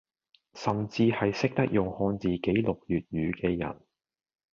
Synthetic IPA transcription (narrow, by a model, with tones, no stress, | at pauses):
sɐ˨mt͡siː˧hɐ˨jsɪ˥k̚t̪ɐ˥k̚jʊ˨˩ŋhɔː˧nt͡siː˨ke˨˥jlʊ˨k̚jyː˨t̚jyː˨˧kɛː˧jɐ̰˨˩n